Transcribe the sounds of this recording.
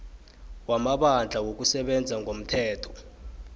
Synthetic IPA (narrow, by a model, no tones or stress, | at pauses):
wamaɓand͡ɮʱawok̬usɛɓɛnd͡zʱaŋɡʱom̩tʰɛːtʰɔ̥